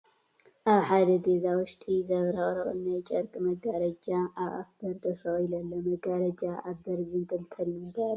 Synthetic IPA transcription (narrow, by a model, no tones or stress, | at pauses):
ʔaβħad̪ɐɡezawʊʃt̪ʼizɐβɾɐχʼɾɐχʼɨnajt͡ʃʼɐɾkʼɨmɐɡaɾɐd͡ʒaʔaβʔa̰fb̥ɐɾt̪ʰɐsoɣilɐlːomɐɡaɾɐd͡ʒaʔabɐɾzɨnt̪ʼɨlt̪ʰɐlːiɨnbɐɾ